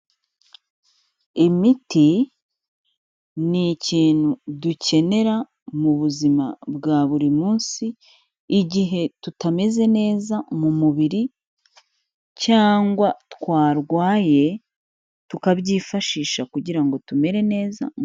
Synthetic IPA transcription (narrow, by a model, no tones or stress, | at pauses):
imiti | niciːn̥huduce̞ne̞ɾa | muβuzima̰bɡaːβuɾimuːnsiː | ɟiɦe̞tutame̞ze̞ne̞ːzamumuβiɾi | caːŋɡwatkwaːɾɡwaːje̞ | tukabɟiːfaʃiːʃakuɟiɾaŋɡo̞tume̞ɾe̞ne̞ːza̰